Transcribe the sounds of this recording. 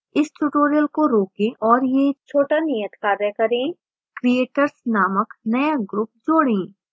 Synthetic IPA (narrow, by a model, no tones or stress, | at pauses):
ɪsʈuʈoːɾijəlkoɾoːkẽʔɔːɾjet͡ʃʰoːʈanijət̪kaːɾjəkɐɾẽ | kɾieːʈəɾsnaːməknɐjaɡɾʊp̚d͡ʒoːɽẽː